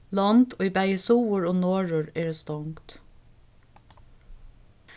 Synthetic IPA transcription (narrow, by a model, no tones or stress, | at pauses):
lɑnd̪oːibæɪəsuːʊɹoːnoːɹʊɹeːɹst̪ɔŋkt̪